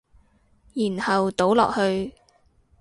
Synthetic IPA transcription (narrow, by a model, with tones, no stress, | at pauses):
jiː˨˩nhɐ˨wt̪o˨˥wlɔ̰ː˨k̚hɵ˧ɥ